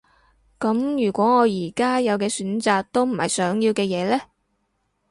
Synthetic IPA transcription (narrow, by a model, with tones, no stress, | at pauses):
kɐ˨˥mjyː˨˩kʷɔː˨˥ŋɔː˨˧jiː˨˩kaː˥jɐ˨˧wkɛː˧syː˨˥nt͡saː˨k̚t̪o˥wm̩˨˩hɐ̰˨jsœː˨˥ŋjiː˧wkɛː˧jɛː˨˧lɛː˥